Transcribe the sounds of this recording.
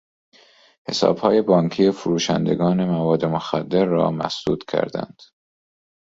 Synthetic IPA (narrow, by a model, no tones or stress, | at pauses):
he̞̰sɒ̰ːb̥hɒːje̞bɒːŋcʰiːefuɾuːʃæ̰nd̪e̞̰ɡɒːne̞mævɒːd̪ːemoxæd̪ːe̞ɾːɒ̰ːmæ̰sd̪̥uːd̪̥cʰæ̰ɾd̪æ̰nd̪̥